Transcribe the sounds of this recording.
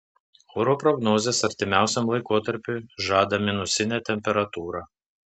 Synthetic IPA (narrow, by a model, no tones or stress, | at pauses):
oɾoːpɾɔɡnoːzʲeːsɐɾʲt̪ʲɪmʲæˑʊsʲɛmlˠɐɪkoːt̪ɐɾʲpʲʊʒɑːd̪ɐmʲɪnʊsʲɪnʲæːt̪ʲɛmʲpʲɛɾɐt̪uːɾɑː